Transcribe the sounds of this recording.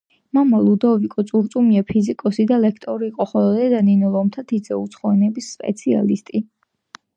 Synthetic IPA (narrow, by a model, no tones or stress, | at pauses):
mamalˠud̪ɔvikʼɔt̪sʼuɾt̪sʼumiapʰizikʼɔsid̪alɛkʰt̪ʼɔɾiːqʼɔχɔlɛd̪aninulˠɔmt̪ʰat̪ʰid̪zɛut̪sʰχɔɛnɛbisːpʼɛ̰t̪sʰia̰list̪ʼi